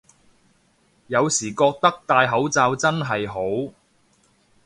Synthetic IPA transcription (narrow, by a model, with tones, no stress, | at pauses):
jɐ˨˧wsiː˨˩kɔː˧k̚t̪ɐ˥k̚t̪aː˨˧jɦɐ˨˥wt͡saː˧wt͡sɐ˥nɦɐ˨jɦo˨˥w